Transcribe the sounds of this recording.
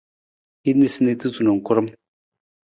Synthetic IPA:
i˦d̪ni˦˨si˦ne˦˧t̪i˦zu˨no˨ŋ˨kʊ˦ɾə˦m

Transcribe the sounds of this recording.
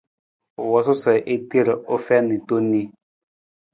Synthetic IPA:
wɔ˨sɔ˦sɛ˨ʔe˦ti˦ɾo˦fɛ˦ni˨to˦ni˦

